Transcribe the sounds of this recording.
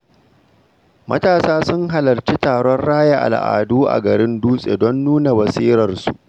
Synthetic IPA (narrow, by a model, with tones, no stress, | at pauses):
mɐ̰˦taː˨saː˦sʊ˦ŋɦa˨lɐ˨rt͡ʃi˦taː˨ɽɔ˦nɽaː˦ja˨ʔa̰˨lʔa̰ː˨duː˦ʔa̰˨ɡɐ˨ɾɪ˦nduː˦sʼḛ˨dɔ˦nːuː˦na˨wɐ˨siː˦ɾɐ˨rsu˦ʔ